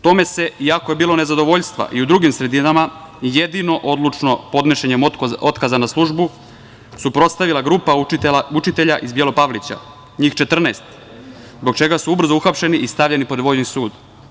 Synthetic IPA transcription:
t̪o̞me̞se̞iakoje̞biːlˠone̞zad̪o̞ʋo̞ʎst̪ʋa̰ʔiud̪ɾuɡimsɾe̞d̪inama | je̞d̪ino̞ʔo̞d̪lut͡ʂno̞po̞d̪ne̞ʃeɲemo̞t̪kazanaslˠuʒbu | supɾo̞t̪st̪aʋilaɡɾuːpaut͡ʃit̪e̞ʎaʔizbje̞lˠo̞paʋlit͡ɕa̰ | ɲiːxt͡ʃe̞t̪r̩nest̪ | zbo̞ɡt͡ʃe̞ɡasuubr̩zouxapʃe̞niʔist̪aʋʎenipod̪ʋo̞jnisuːd̪

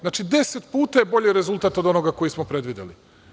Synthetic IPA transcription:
znaːt͡ʃid̪e̞set̪puːt̪ajebo̞ʎiɾezulˠt̪at̪o̞d̪o̞noɡako̞jismopɾe̞d̪ʋid̪ḛli

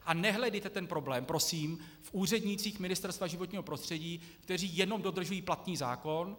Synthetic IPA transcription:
ʔanɛɦlɛdɛjt̪ɛt̪ɛnpɾo̞blɛːmpɾo̞siːm | fʔuːr̝ɛdɲɪt͡siːxmɪnɪst̪ɛɾst̪vaʒɪvot̪ɲiːɦo̞pɾost̪r̥ɛɟiː | kt̪ɛr̝iːjɛno̞mdo̞d̪r̩ʒujiːplat̪niːza̰ːko̞n

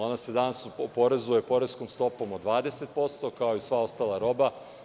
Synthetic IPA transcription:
onased̪anasuopoɾe̞zujepo̞ɾe̞sko̞mst̪o̞po̞mod̪ʋaːd̪e̞set̪̚po̞st̪o̞kao̞isʋao̞st̪aːlˠaɾo̞ba

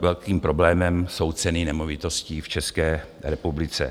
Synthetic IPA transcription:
vɛlkiːmpɾo̞blɛːmɛmsowt͡sɛninɛmovɪt̪osciːft͡ʃɛskɛː | ɾɛpublɪt͡sɛ̰

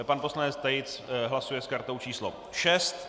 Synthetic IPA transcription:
panpo̞slanɛt͡st̪ajɪt͡sɦlasujɛskaɾt̪o̞wt͡ʃiːslo̰ | ʃɛst̪

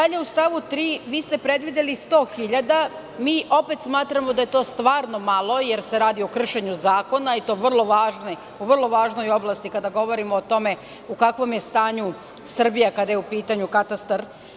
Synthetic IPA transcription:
d̪aʎeust̪aʋut̪ɾiːʋiːst̪e̞pɾe̞d̪ʋid̪elist̪o̞ːxiʎad̪a | miːʔo̞pe̞t̪smaːt̪ɾamo̞d̪aje̞t̪o̞ːst̪ʋaːɾno̞malˠo̞je̞ɾseɾaːd̪io̞kr̩ʃe̞ɲuzaːko̞nait̪o̞ːʋr̩lˠo̞ʋaːʒno | uʋrlˠo̞ʋaːʒno̞jo̞blˠast̪ikad̪aɡo̞ʋo̞ɾimoːt̪o̞me̞ | ukakʋo̞mje̞st̪aːɲu | sr̩bijakad̪ajeupiːt̪aɲukat̪ast̪aɾ

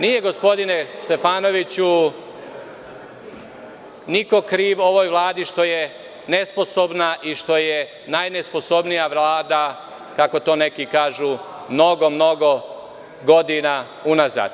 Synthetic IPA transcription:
nije̞ɡo̞spo̞d̪inest̪e̞faːno̞ʋit͡ɕu | niko̞kɾiːʋo̞ʋo̞jʋlˠaːd̪iʃt̪o̞je | ne̞spo̞so̞bnaʔiʃt̪o̞je | najnespo̞so̞bnijaʋlˠaːd̪a | kako̞t̪o̞ːne̞kikaːʒuː | mno̞ɡo̞mno̞ɡo̞ | ɡo̞d̪ina | unaza̰ːd̪̥̚

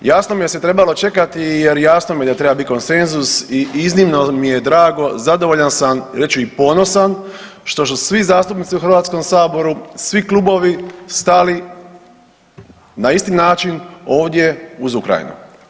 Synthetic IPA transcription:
jaːsnomijese̞t̪ɾe̞balo̞t͡ʃe̞kat̪ije̞ɾjaːsnomije̞d̪at̪ɾe̞babit̪iko̞nse̞nzusiʔiznimnomije̞d̪ɾaːɡo̞zad̪oʋo̞ʎansamɾe̞t͡ʃuipo̞no̞san | ʃt̪o̞s̬usʋizaːst̪upnit̪siuxrɾʋaːt̪sko̞msaːbo̞ɾusʋiklˠubo̞ʋist̪ali | naist̪inaːt͡ʃino̞ːʋd̪je̞uzukɾa̰jḭnṵ

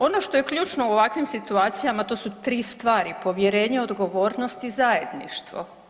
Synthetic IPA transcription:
o̞no̞ʃt̪oje̞klʎuːt͡ʃnouoʋakʋimsit̪uaːt̪sijamat̪o̞ːsut̪ɾiːst̪ʋaːɾipo̞ʋje̞ɾe̞ːɲeo̞d̪ɡo̞ʋo̞ːɾnost̪izaje̞d̪niʃt̪ʋo̞̰

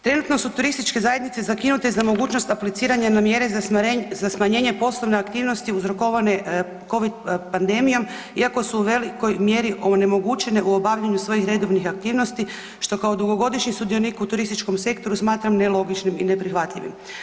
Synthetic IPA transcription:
t̪ɾe̞nut̪no̞sut̪uɾist̪it͡ʃke̞zaje̞d̪nit̪se̞zakinut̪e̞zamo̞ɡuːt͡ɕno̞st̪aplit̪siːɾaɲanamje̞ɾezazasmaɲe̞ːɲe̞po̞slˠo̞ʋneakt̪iːʋno̞st̪iuzɾo̞ko̞ʋane̞ | ko̞ʋid̪pand̪e̞mijo̞m | iako̞suuʋe̞liko̞jmje̞ɾiʔo̞ne̞mo̞ɡut͡ʃe̞ne̞ʔuo̞baʋʎaɲusʋo̞jixɾe̞d̪o̞ʋnixak̚t̪iːʋnost̪i | ʃt̪o̞kao̞d̪uɡo̞ɡo̞d̪iʃɲisud̪ijo̞nikut̪uɾist̪it͡ʃko̞mse̞kt̪o̞ɾusmaːt̪ɾamne̞lˠo̞ɡit͡ʃnimḭne̞pɾixʋat̪ʎʲiʋḭm

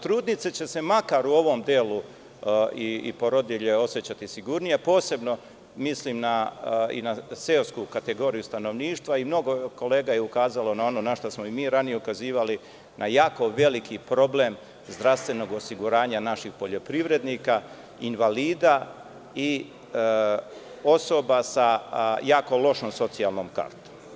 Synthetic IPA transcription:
t̪ɾuːd̪nit̪set͡ɕe̞se̞makaɾuo̞ʋo̞md̪eːlu | iḭpoɾod̪eʎe̞o̞sjet͡ɕat̪isiɡuɾnijepo̞ːse̞bno̞ | misliːmnaḭnaseoskukat̪e̞ɡo̞ːɾijust̪ano̞ʋniːʃt̪ʋaimno̞ɡo̞ko̞le̞ːɡajeukaːzalo̞nao̞no̞naʃt̪osmoimiːɾanijeukaziːʋali | nʔajaːko̞ʋe̞likʰipɾo̞blem | zd̪ɾast̪ʋe̞no̞ɡosiɡuɾaːɲanaʃixpo̞ʎo̞pɾiʋɾe̞d̪niːka | inʋaliːd̪a | i | o̞so̞basajaːko̞lo̞ʃnomso̞t̪sijaːlˠnoːmka̰ɾt̪o̥m

